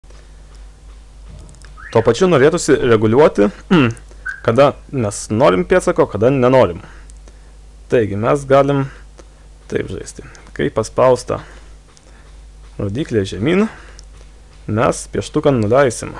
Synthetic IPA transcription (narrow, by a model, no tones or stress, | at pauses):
t̪uɔpɐt͡ʃʲʊnoːɾʲeːt̪ʊsʲɪɾʲɛɡʊlʲuɔt̪ʲɪ | kɐd̪ɐmʲɛsnoːɾʲɪmpʲeɛsɐkoːkɐd̪ɐnʲɛnoːɾʲɪm | t̪ɐɪɡʲɪmʲɛsɡɑːlʲɪm | t̪ɐ̰ɪpʒɐ̰ɪsʲt̪ʲɪ | kɐɪpɐspɐʊst̪ɐ̰ | ɾoːd̪ʲiːklʲeːʒʲɛmʲiːn | mʲɛspʲiɛʃt̪ʊkɐnnʊlʲɛɪsʲɪ̰m